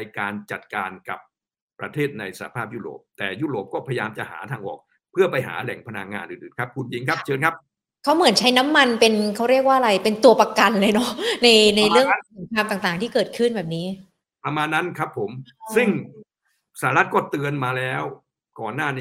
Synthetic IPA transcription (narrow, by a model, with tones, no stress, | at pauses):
a˧jkaː˧nt͡ɕa˨˩t̪̚kaː˧nka˨˩p̚ː | ɾa̰˧t̪ʰeː˥˩t̪̚na˧jsa˧˩a˧˩pʰaː˥˩p̚juː˥˩ɾo̰ː˨˩p̚t̪ɛː˨˩juː˥˩ɾoː˨˩p̚kɔː˥˩pʰa˧ja˧jaː˧mt͡ɕa˨˩ʔha̰ː˩˦t̪ʰaː˧ŋʔɔ̰ː˨˩k̚ | pʰɯ˥˩ɐpa˧jɦa̰ː˩˦lɛ̰˩˦ŋpʰa˧na˧ŋŋaː˧nʔɯ̰ː˨˩nʔɯː˨˩nkʰa˦˥p̚kʰu˧nt͡ɕi˧ŋkʰa˦˥p̚t͡ɕʰɤː˧nkʰa˦˥p̚ | kʰa˦˥wmɯ˩˦ənt͡ɕʰa˦˥jna˦˥mːa˧npe˧nkʰa˦˥wɾi˥˩ək̚waː˥˩ʔɾa˧jpe˧nt̪u˧ɐpa˧ka˧nlɤː˧jnɔ˦˥na˧jna˧jɾɯ˥˩əŋ˨˩kʰaː˧mt̪aː˨˩ŋt̪aː˨˩ŋt̪ʰiː˥˩kɤː˨˩t̪̚kʰɯ˥˩nbɛː˨˩p̚niː˦˥ | pa˧maː˧nːa˦˥nkʰɾa˦˥pʰːo˩˦msɯ˥˩ŋ | saː˩˦a˦ɾa˦˥t̪̚kɔː˥˩t̪ɯ˧ənmaː˧lɛː˦˥w | kɔː˨˩nːaː˥˩n